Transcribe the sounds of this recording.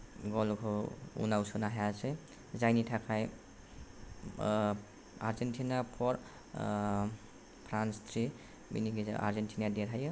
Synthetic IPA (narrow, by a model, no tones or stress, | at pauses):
ɡɔlkʰɔṵnawsʰɔnaɦajase | zajnitʰakʰaj | aɾzentʰinapʰɔɾ | pʰɾanst̪ʰɾi | bḭniɡiza̰ʔa̰ɾzentʰinadeɾʰajɯ